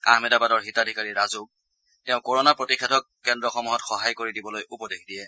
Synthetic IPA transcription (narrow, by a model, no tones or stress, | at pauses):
a̰ɦmidabadɔɹɦitadʱikaɹiɹazuk̚ | tɛʊ̃kɔɹɔnapɹotixɛdʰʱɔkːɛndɹɔxɔmuɦɔtxɔɦajkoɹidibɔlojupɔdekdiɛ